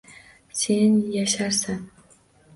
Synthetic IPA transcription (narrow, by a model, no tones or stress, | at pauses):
senjaʃaɾsan